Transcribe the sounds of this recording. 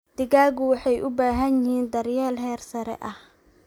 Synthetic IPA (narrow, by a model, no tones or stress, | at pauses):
d̪̥ɪɣaːɣʊwɑħɑjʔʊbaːɦɐnɪhiːnd̪ɐrjɛːlɦɛːrsɐɾɛ̰ʔɐh